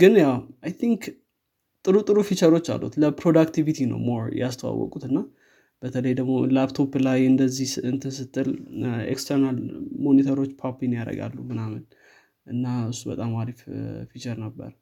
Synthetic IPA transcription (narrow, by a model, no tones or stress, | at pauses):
ɡ̥ɨnjawajt̪ʰiŋk | t̪ʼɨɾut̪ʼɨɾufit͡ʃəɾo̞t͡ʃːa̰lːṵt̪ləpɾo̞d̪akt̪ʰivit̪ʰinə̰wmo̞ɾjɛast̪ʰəwa̰wːɔ̰kʼut̪ɨnːa | b̥ət̪ʰələjd̪əɡmolabt̪ʰo̞blajɨnd̪əzːihɨnt̪ʰɨsɨt̪ʰʼːɨlḛkst̪ʰəɾnalmo̞nit̪ʰəɾo̞t͡ʃːpʰapinjaɾə̰ɡa̰lːumɨnamɨn | ʔɨnːaɨsːubə̰t̪ʼamaɾiffit͡ʃəɾnəbːə̰ɾ